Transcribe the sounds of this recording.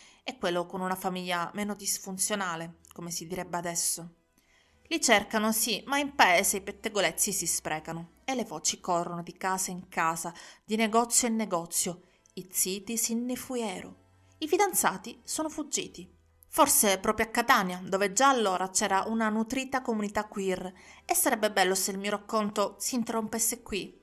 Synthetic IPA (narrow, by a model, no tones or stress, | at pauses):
ɛkːwelːokonunafamiʎːameːnod̪isfunt̪sjonaːlekomesid̪iɾɛbːead̪ɛsːo | lit͡ʃerkanosimaimpaeːzeipet̪ːeɡolet̪sːisispɾɛːkano | elːevɔːt͡ʃikorːonod̪ikaːzaiŋkaːzad̪ineɡɔt̪sːjoinːeɡɔt̪sːjo | it̪siːt̪isinːefuɛːɾo̰ | ifid̪ant̪saːt̪isoːnofud͡ʒːḭːt̪i | forsepɾɔːpɾjoakːat̪anjad̪oved͡ʒaːlːoːɾat͡ʃɛːɾaʔunanut̪ɾiːt̪akomunit̪akːwiresːaɾɛbːebɛlːoseilmiːoɾakːont̪osiːnt̪erːompesːekwi